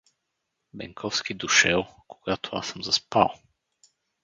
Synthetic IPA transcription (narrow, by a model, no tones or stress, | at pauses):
bɛ̰ŋkʰɔfsk̟id̪ʊʃɛlˠkoɡ̥at̪ʰoa̰sɤmzɐspa̰lˠ